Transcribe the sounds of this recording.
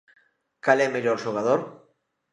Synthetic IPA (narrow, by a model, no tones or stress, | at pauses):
kalɛmeʎoɾʒoɣ̞að̞oɾ